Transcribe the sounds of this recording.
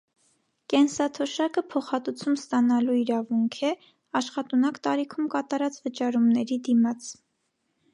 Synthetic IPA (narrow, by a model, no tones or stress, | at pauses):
kɛnsɑt̪ʰɔʃɑkəpʰɔχɑt̪ut͡sʰumst̪ɑnɑluiɾɑvuŋkʰɛ | ɑʃχɑt̪unɑkt̪ɑɾikʰumkɑt̪ɑɾɑt͡svət͡ʃɑɾumnɛɾid̪imɑt͡s